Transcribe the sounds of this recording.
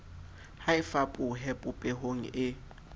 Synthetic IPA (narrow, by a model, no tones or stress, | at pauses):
haɪfapʼʊɦɛpʼʊpʼeɦoŋ̩ɪ